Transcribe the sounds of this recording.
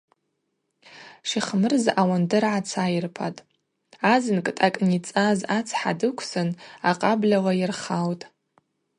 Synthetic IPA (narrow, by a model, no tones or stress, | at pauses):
ʂiχmɨrzawandɨrʕat͡sʰajirpʰatʼ | azɨnkʼɨtʼakʼnit͡sʼazat͡sʰħa̰dɨkʷʰsɨnaqʼablawajɪrχawtʼ